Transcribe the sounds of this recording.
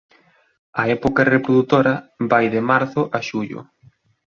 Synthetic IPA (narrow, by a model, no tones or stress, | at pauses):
ɐɛpokɐrepɾoðut̪oɾɐβajðɪmaɾθʊʔɐʃuʎʊ̰